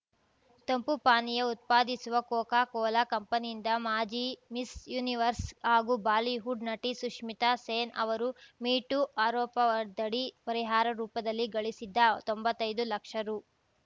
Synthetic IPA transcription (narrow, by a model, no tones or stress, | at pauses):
t̪ɐmpupaːnijɐut̪̚paːd̪isuʋɐkɔːkaːkɔːlakɐmpɐnijind̪ɐmaːd͡ʒimisjuːniʋɐɾshaːɡubaːliɦuɖnɐʈisuʂmit̪aseːnɐ̰ʋɐɾumiːʈuʔaːɾɔːpɐʋɐɾd̪ɐɽipɐɾiɦaːɾɐɾuːpɐd̪ɐlːiɡɐɭisid̪ːɐt̪ombɐt̪ːɐjd̪ulɐkʂɐɾu